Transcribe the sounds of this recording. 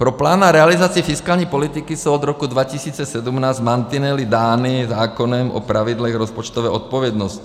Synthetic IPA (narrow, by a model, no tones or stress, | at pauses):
pɾɔplaːnaɾɛalizaːt͡siɛfiskaːlɲɛpɔlit̪ikisuɔd̪ɾɔkud̪ʋacisiːt͡sɛsɛd̪umnaːzmant̪inɛlid̪aːnizaːkɔnɛmʔɔ̰pɾaʋid̪lɛɣɾɔspɔt͡ʃt̪ɔʋɛːɔt̪̚pɔʋjɛd̪nɔsc